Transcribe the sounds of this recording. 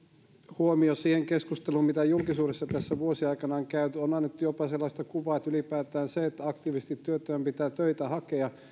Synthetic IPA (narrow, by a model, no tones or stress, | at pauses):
huomiosiːheŋkeskust̪eluːmmit̪æjulkisuːɾesːɑt̪æsːæʋuosiɑikɑnɑoŋkæyt̪yonɑnːet̪ːujopɑselːɑst̪ɑkuʋɑːet̪ylipæːt̪æːnseet̪ːæɑkt̪iʋist̪it̪ːyøt̪ːˑøːmpit̪æːt̪øit̪æhɑkeɑ